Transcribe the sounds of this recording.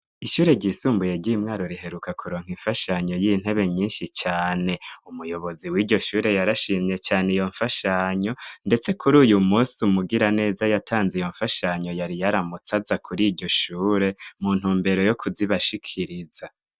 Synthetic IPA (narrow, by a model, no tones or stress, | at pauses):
iʃuːɾe̞ɟiːsuːmbuje̞ɾɟimŋaːɾo̞ɾiɦe̞ɾukakʰuɾo̞ːŋ̥hiɱfaʃaɲo̞jin̥he̞βe̞ɲiːnʃit͡ʃaːne̞umujo̞βoziwiːɟo̞ʃuːɾe̞jaɾaʃiːmɲe̞t͡ʃaːnejo̞ɱfaʃaɲo̞nde̞t͡se̞kʰuɾuːjumuːsumuɡiɾane̞ːzajatʰaːnzejo̞ɱfaʃaɲo̞jaɾijaɾamut͡sazakʰuɾiːɟo̞ʃuːɾe̞muːn̥huːmbe̞ɾo̞jo̞kʰuziβaʃikʰiɾiza